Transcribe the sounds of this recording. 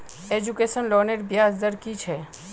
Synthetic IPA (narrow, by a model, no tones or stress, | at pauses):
ed͡ʒukeːsənloːneɾbjaːzd̪əɾkit͡ʃʰɛː